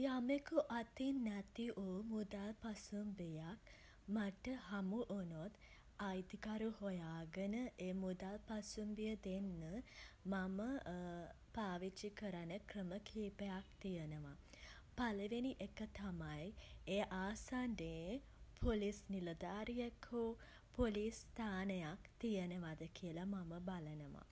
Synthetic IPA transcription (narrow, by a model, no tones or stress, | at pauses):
amekuʔat̪inːæt̪iʔoːmud̪alpasumbejak̚ | maʈəɦamuʔonot̪ | ajd̪ikaɾuhojaːɡənəʔeːmud̪alpasumbijəd̪enːəmamə | paːʋit͡ʃikəɾanəkrəməkʰiːpejak̚t̪ijənəʋa | paləʋeniʔekət̪amajeːʔaːsandeː | pʰolisniləd̪aːɾijekʰo | polist̪aːnəjakt̪ijənəʋad̪əkijəlamaməbalənəʋa̰